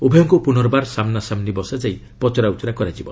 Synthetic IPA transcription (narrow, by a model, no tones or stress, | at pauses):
obʱijɔŋkupunɔɾɔbaɾsamnasamnibɔsad͡ʒaj | pɔt͡ʃɔɾaut̪ɔɾakɔɾad͡ʒibɔ